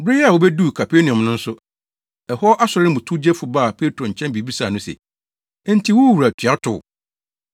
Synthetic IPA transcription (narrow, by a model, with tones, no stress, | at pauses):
bɾɪ˦jɛ˦a˨wo˨bɛ˦du˦˨kʰa˨pʰe˦nĩ˨ɔ̃˨mnʊ̃˦n̩˦sʊ˦ | ɛ˨hɔ˦ʔa˦sʊ˨ɾɪ̃˦bʊ̃˨tʰu˦d͡ʑɛ˦fʊ˨ba˦˨pʰe˦tɾõ˨ɲ̩˨t͡ɕʰɛ̃˦mbi˨bi˦saː˨nʊ̃˦sɛ̰˨˦ | n̩˦tʰi˦wʊ˦wu˨ɾa˨tʰa˦tʰʊ̰˨